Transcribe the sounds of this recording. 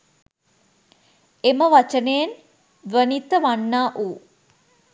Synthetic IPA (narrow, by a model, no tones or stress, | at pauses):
eməʋat͡ʃənejen | ʋənit̪əʋanːaːʔuː